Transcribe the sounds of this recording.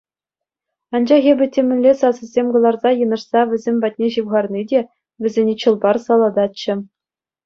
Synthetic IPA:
ɑnd͡ʑɑχʲebʲɘ̆tʲːemʲɘ̆lʲlːʲesɑsɤ̆zʲemʲɡɤ̆lˠɑrzɑjɤ̆nɤ̆ʂsɑʋʲɘ̆zʲemʲvɑt̚ʲnʲeʑɯwʁɑrnʲidʲe | ʋʲɘ̆zʲenʲet͡ɕɯ̆lˠbɑrsɑlˠɑd̪ɑtɕɘ̆

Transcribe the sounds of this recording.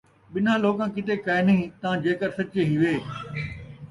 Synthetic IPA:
ɓɪn̤ãːloːkãːkɪt̪ekajnĩːt̪ãd͡ʑeːkəɾsɐt͡ʃẽɦĩʋeː

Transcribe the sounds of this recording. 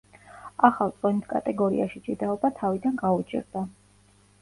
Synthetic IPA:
aχalˠt̪sʼɔnit̪ʰkʼa̰t̪ʼɛɡɔɾḭaʃit͡ʃʼid̪aɔbat̪ʰavid̪anɡaut͡ʃʰʼḭɾd̪a

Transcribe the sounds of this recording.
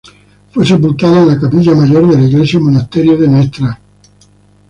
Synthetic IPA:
fwes̬epult̪aːðaelakapiʎːamad͡ʒoɾd̪eliɡlesomonast̪ɛɾjod̪enɛst̪ɾa

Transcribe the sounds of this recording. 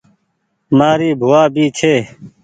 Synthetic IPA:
maːɾiːbʱʊwaːbiːt͡ʃʰeː

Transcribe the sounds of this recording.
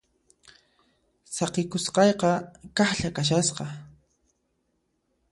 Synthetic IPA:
sɑqɪkʊsqɑjqɑkɑχʎakaʃ̬asqɑ

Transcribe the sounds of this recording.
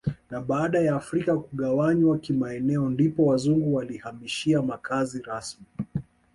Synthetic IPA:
naɓaaɗajaːfɾikakuɠawaɲwakimaɛnɛɔndipɔwazuŋɡuwalihamiʃiamakaziɾasmi

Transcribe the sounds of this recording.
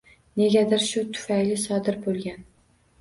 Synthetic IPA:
ne̞ɡʲad̪ɪɾʃʊt̪ʰʊ̥fajlɪsɒd̪ɪɾbolˠɡʲan

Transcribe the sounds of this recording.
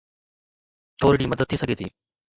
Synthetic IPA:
t̪ʰoːɾɽiːmɐd̪əd̪̚t̪ʰːiːsɐɡʱet̪ʰḭː

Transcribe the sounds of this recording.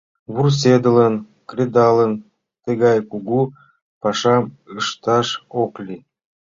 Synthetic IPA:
βurs̬ed̪ə̆lən | krʲed̪ɑlən | t̪eɣɑjkuɡu | pɑʃɑm | əʃt̪ɑʃoklʲi

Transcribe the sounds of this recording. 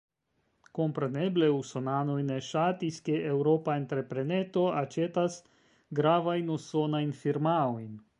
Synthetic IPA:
ko̞mpɾe̞ne̞ble̞usonano̞jne̞ʃatiske̞ewɾo̞paent̪ɾe̞pɾe̞net̪o̞at͡ʃe̞t̪as | ɡɾavajnuso̞najnfiɾmaojn

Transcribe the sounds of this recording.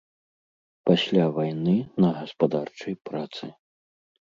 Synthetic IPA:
pasʲlʲavajnɨnɐɣɐspad̪art͡ʂɐjpɾat̪sɨ

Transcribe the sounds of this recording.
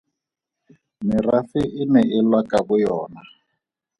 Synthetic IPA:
mɪrafɪʔɪnɛʔɪlwakʼaβʊjɔːna

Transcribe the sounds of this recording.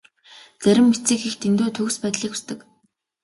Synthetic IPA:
t͡sæɾʲɪ̆mːet͡siːkext̪ʰent̪uːt̪ʰɵkspæːt̪ɮiːku̥st̪ɘ̆k

